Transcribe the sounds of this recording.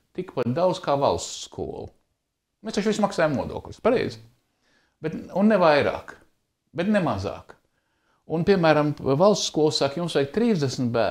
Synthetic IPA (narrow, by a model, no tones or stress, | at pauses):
t̪ikpat̪̚d̪awd̪z̥kaːva̰lˠst̪skʰṵɔlˠu | mest̪at͡ʃʋʲismaksaːjamnuɔd̪ṵɔklʲspaɾɛ̰jz | b̥ɛt̪unːɛvajɾa̰ːk | bɛt̪nɛmaza̰ːk | unpʲiɛmæːɾamvalˠst̪skuɔlˠsakjumsʋɛkt̪ɾiːzd̪ɛsmt̪̚bæː